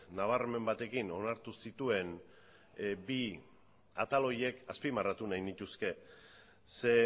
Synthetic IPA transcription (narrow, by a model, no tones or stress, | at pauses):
naβ̞arme̞mbat̪e̞kino̞naɾt̪usit̪ue̞n | bi | at̪alo̞je̞kaspimarat̪unajnit̪uske̞ | se̞